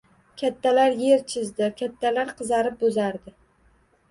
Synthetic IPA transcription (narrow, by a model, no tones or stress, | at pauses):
kʲʰat̪ʰːalaɾje̞ɾt͡ʃʰɪzd̪ɪkʲʰat̪ʰːalaɾqʰɨzaɾɪp̚bɵzaɾd̪ɪ